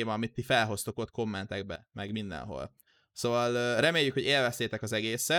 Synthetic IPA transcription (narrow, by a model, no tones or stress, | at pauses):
mɒːmit̪ːifɛlɦo̞st̪o̞kot̪ko̞mːɛnt̪ɛɡ̚bɛ̰mʔɛɡmind̪ɛ̰nɦo̞̰l | soːvɒlrɛmeːjːykho̞ɟeːlvɛst̪eːt̪ɛkɒzɛɡeːsɛ